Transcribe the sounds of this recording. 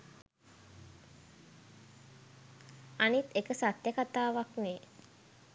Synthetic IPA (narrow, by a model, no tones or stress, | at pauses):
anit̪ekəsat̪jəkat̪aːʋakne